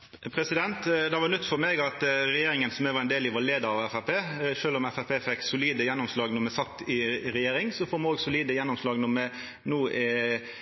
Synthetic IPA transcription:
pʰɾɛsɪd̪ɛnt̪d̪ɛʋɑnʉt̪ːfɔɾmɛɡɑt̪ɾɛjeːɾɪŋənsɔmɛʋɑɾɛɪnd̪eːlɪʋoːɾleːd̪əɾɑʋɛfæpʰeːʂøːlɔmɛfæpʰeːfɛkːsʊliːd̪əjɛnːɔmslɑːɡnɔɾmɛsɑt̪ːɪɾɛjeːɾɪŋsɔfoːmɑnoːɡsʊliːd̪əjɛnːɔmslɑːɡnɔɾmɛ | nuːʔɪ

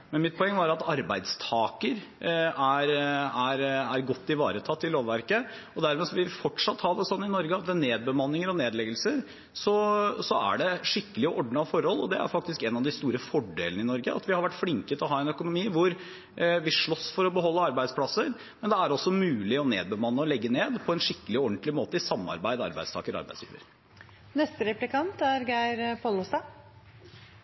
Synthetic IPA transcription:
mɛnmɪt̪̚pʰɔɛŋːəʋɑɾɑt̪ɑɾbæ̰ɪd̪st̪ʰɑːkəɾ | æɾæɾæɾɡɔt̪ːɪʋɑ̰ːɾət̪ʰɑt̪ːɪloːʋʋæɾkə | ɔd̪æɾmɛːsɔʋɪfɔʈʂɑt̪ːhɑd̪ɛsɔnːɪnɔɾɡəɑt̪̚d̪ɛneːd̪̚bəmɑnːɪŋəɾɔneːd̪lɛɡəlsəɾ | sɔsɔæ̰ɖɛʂɪkːəlɪɔʔɔɖɳəɑʋfɔɾhɔlːɔ̰d̪ɛæ̰ɾfɑk̚t̪ɪskɛnɑʋd̪ɪst̪uːɾəfɔɖḛːlənɪnɔɾɡə̰ʔɑ̰t̪ʋɪhɑɾʋæʈːflɪŋkət̪ʰɔɦɑːɛnœkʊnʊmiːʋʊɾ | ʋɪʂɭɔsːfɔɾɔbəɦɔlːəɑɾbæɪspʰlɑsəɾ | mɛnd̪ɛæɾɔsːɔmʉːlɪɔneːd̪bəmɑnːəɔlɛɡːəneːd̪pʰɔɛnʂɪkːəlɪɔɳt̪lɪmoːt̪əɪsɑmːɑ̰ɾbæɪd̪əɑ̰ɾbæɪd̪st̪ʰɑ̰ːkəɾɑ̰ɾbæ̰ɪslḭːʋə̰ɾ | nɛst̪əɾɛplɪkɑnt̪æɾɡæɪɾpʰɔlʊst̪ɑ

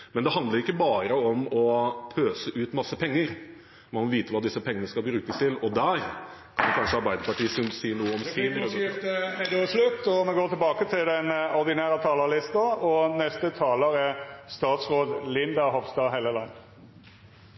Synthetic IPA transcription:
mɛnd̪ɛhɑnd̪ləɾɪkːəbɑːɾəɔmɔpʰøːsəʔʉːt̪mɑsːəpʰɛŋːəɾ | mɑnmɔʋiːt̪əʋɑːd̪ɪsːəpʰɛŋːənəskɑlbɾʉːkəst̪ʰɪlɔd̪æɾ | kʰɑnkʰɑnʂəɑɾbæɪd̪əɾpɑʈiːsʉnsiːnuːəɔms | slʉt̪ːɔmɛɡoːt̪ʰɪlbɑːkət̪ʰɪld̪ɛnɔʁd̪ɪnæːɾət̪ʰɑːləlɪst̪ɑɔnɛst̪ət̪ʰɑːləʁæst̪ɑːt̪sʁoːd̪lɪnd̪ɑɦɔʋst̪ɑːɦɛləlɑ

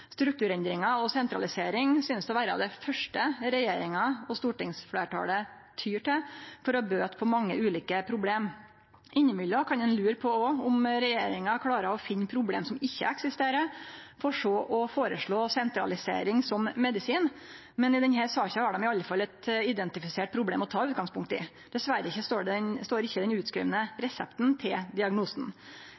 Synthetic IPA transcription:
st̪ɾʉk̚t̪ʉːɾɛnd̪ɾɪŋɑɔsɛnt̪ɾɑ̰lɪseːɾɪŋsʏnəsd̪ɛʋæːɾɑ̰ʋd̪ɛfœʂʈəɾɛjeːɾɪŋɑɔst̪uːʈɪŋsfɽḛːʈʰɑ̰ːlə | t̪ʰyːʈɪlfɔɾɔbøːt̪pʰɔmɑŋːə̰ʉːliːkəpʰɾʊbleːm | ʔɪɲːəmʏlːɔkʰɑnd̪ɛnlʉːɾpʰɔɔʊmɾɛjeːɾɪŋɑkʰɽɑːɾəɔfɪnːpʰɾʊblḛːmsɔmɪçːə̰ɛksɪst̪eːɾəfɔʂɔːʔɔfoːɾəʂɭoːsɛnt̪ɾɑ̰lɪsḛːɾɪŋsɔmːɛd̪ɪsiːn | mɛnɪd̪ɛnɦæːɾsɑːçɑhɑɖɔmɪɑlːəfɑlːɛt̪ɪd̪ɛnt̪ɪfɪseːʈ̚pʰɾʊblḛːmɔt̪ʰɑːʉːt̪̚ɡɑŋspʊŋk̚t̪ɪ̰ | d̪ɛsʋæɾəɪçːəst̪oːɖɛɛnst̪oːɾɪçːəd̪ɛnʉːt̪skɾḭːʋənəɾɛsɛpt̪nt̪ʰɪld̪ɪɑɡnuːsn

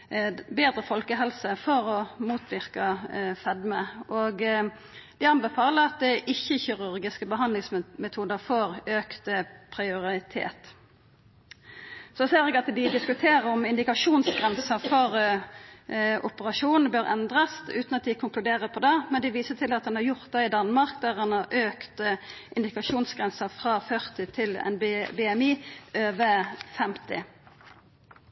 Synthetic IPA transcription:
beːd̪ʁəfɔlkəɦɛlsəfɔɾɔmuːt̪ʰʋɪʁkɑfɛd̪məʔoɡ | d̪ɪɑmbɛfɑːləɾɑt̪̚d̪ɛʔɪçːəçɪʁʉɾɡɪskəbəɦɑnlɪŋsmɛt̪ʰuːd̪əfɔʁøːkt̪əpʰʁɪʊɾɪt̪ʰḛːt̪ | sɔseːɾɛːɡɑt̪d̪ɪd̪ɪskʉt̪ʰeːɾəɾʊmɪnd̪ɪkɑʂuːnsɡʁɛnsəfɔʁ | ʔʊpəʁɑʂuːnn̩bøːɾɛ̰nd̪ʁɑsʉːt̪n̩ɑt̪̚d̪ɪkʰʊŋklʉd̪eːʁəpʰɔd̪ɛmɛnd̪ɪʋiːsət̪ʰɪlɑt̪d̪ɛnhɑɾjʊʁt̪̚d̪ɛɪd̪ɑnmɑʁk̚d̪æːʁɛnhɑʁøːkt̪ʔɪnd̪ɪkɑʃuːnsɡʁɛnsəfʁɑːfœʁt̪ɪt̪ʰɪlɛ̰nbbɛɛmiːʔøːʋəfɛmt̪ɪ̰

